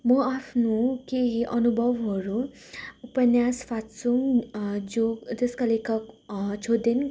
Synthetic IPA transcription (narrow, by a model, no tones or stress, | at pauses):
mʌapʰnukeɦiʔʌnubʱʌwɦʌɾu | upʌnjaspʰat̪suŋd͡zod͡zʌskalekʰʌkt͡sʰod̪en